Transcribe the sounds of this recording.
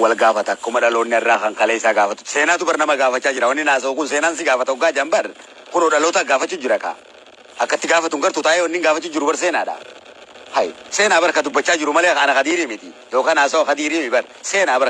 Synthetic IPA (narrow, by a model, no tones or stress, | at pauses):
wɐlɡaːfɐt̪ɐkːɐʊmɐᶑɐloːnːɪɐrːaːkɐŋkɐleɪsaːɡaːfɐt̪ːʊ̥se̞ːnaːt̪ʊbɐɾnɐmɐɡaːfɐt͡ʃːaːd͡ʒɪɾɐwɐnːɪnaːs̬ɐʊkʊnseːnaːns̬ɪɡaːfɐt̪ɐʊɡaːd͡ʒɐmbɐr | kʊnɔɗɐloːt̪aɡaːfɐt͡ʃːuːd͡ʒɪɾɐka̰ː | ɐkːɐt̪ːɪɡaːfɐt̪ːʊŋɡɐɾt̪ʊt̪aːjewɔnːɪŋɡaːfɐt͡ʃːuːd͡ʒɪɾʊbɐɾs̬eːnaːᶑa̰ | hɐjse̞ːnaːbɐɾɐkɐd̪ʊbːɐt͡ʃːaːd͡ʒɪɾʊmɐleːkɐnɐkɐd̪iːɾiːmɪt̪ɪjoːkɐnaːsɐwkɐd̪iːɾiːmɪbɐr | se̞ːnaːbɐɾ